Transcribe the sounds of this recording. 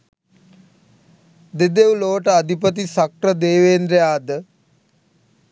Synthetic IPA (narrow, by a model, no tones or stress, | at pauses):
d̪ed̪eʋuloːʈəad̪ʱipət̪̬isak̚ɾəd̪eːʋeːnɾejaːd̪ə